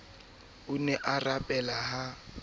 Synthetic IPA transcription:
ʊnɛʔarapʼɛlaɦa

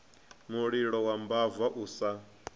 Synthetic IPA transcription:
muɺiɺɔwambavaʔuːsa

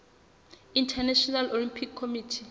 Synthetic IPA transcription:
intʰɛnɛʃɔnalolimpʰikʰːomiːtʰi

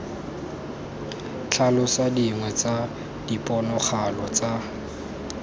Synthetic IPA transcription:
t͡ɬʰalʊsadiŋwɛt͡sa | d̥ipʼɔnɔχalɔt͡sa

